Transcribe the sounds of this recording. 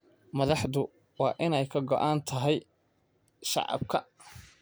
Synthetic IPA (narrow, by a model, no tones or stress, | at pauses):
mɐðɑħðʊ | wɑːʔɪnɛjkʰɐɡɔʔaːnt̪ʰɐɦɛj | ʃɑ̰ʕɑ̰b̚kʰɐ